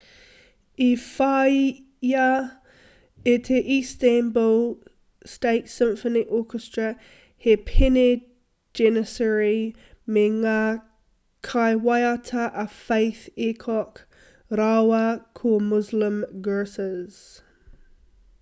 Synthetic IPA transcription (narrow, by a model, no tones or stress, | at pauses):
ifaɪ | ja | etʰeʔistænbəl | steɪtsɪ̃mfəniʔɔːˑkʰəstɹ̥ə | hepʰɪne | d͡ʒɛnəsɛɹi | meŋa | kʰaɪwajatʰəʔafeɪθekʰɔk | ɾawəkʰumʊzləmɡɜːsəz̥